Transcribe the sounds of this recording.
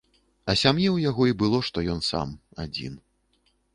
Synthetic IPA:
ɐsʲamjɛwjaɣɔibɨlˠɔʂt̪ɔjɔnsa̰ma̰d͡zʲḭn

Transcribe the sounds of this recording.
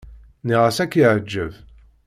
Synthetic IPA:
niʁæsækːiʕəd͡ʒːəv

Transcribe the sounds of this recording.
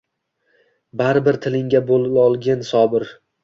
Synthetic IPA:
baɾɪbɪɾt̪ʰɪlɪŋɡʲabolˠɪlɒlˠɡʲansɒbɪɾ

